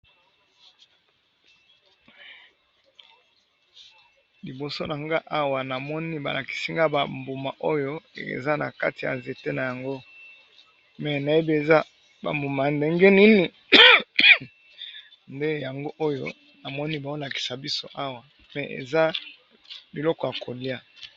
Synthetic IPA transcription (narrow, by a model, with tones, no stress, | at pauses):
li˨bo˨so˦na˨ŋɡa˦ʔa˦wa˨na˨mɔ˦ni˦ba̰˨la˨ki̥˨si˦ŋɡa˦ba˨mbo˨ma˨ʔo˦jo˦ḛ˨za˦na̰˨ka̰˦ti˨ja̰˨nze˨te˦na˨ja˨ŋɡo˦ | mɛ˨na˨je˦bi˦e˨za˦ | ba̰˨mbo˨ma˨nde˨ŋɡɛ˦ni˦ni˨ | nde˦ja˨ŋɡo˦ʔo˦jo̰˦ | na˨mɔ˦ni˦ba˨o˦la˨ki̥˨sa˨bi˦so˦ʔa˦wa˨ | mɛ˨ʔḛ˨za˦ | bi˨lɔ˦kɔ˨ja˨ko˨li˦a˦